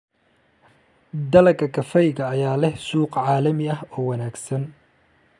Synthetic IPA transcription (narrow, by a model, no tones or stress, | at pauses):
d̪ɐlɐkʰɐkʰɐfɛjɣɐːjaːlɛhsuːqʕɑːlɐmɪɐɦɔːwɐnaːɡsɐn